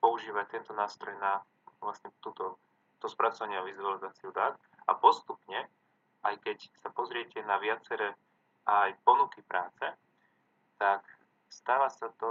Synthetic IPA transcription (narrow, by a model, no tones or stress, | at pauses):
pɔuʒiːʋact̪ɛnt̪ɔnaːst̪ɾɔjna | ʋlasɲɛt̪uːt̪ɔ | t̪ɔspɾat͡sɔʋaɲɪaʋizualizaːt͡siud̪aːt̪ | a̰pɔst̪upɲɛ | ajkɛcsapɔzɾɪɛcɛnaʋɪat͡sɛɾɛː | ʔajpɔnukipɾaːt͡sɛ | t̪ak | st̪aːʋaːsat̪ɔ